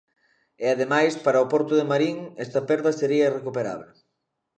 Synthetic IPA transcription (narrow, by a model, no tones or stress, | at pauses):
ɪaðemajspaɾɐopɔɾt̪ʊðemaɾiŋɛst̪ɐpɛɾðɐseɾiɐirekupeɾa̰βle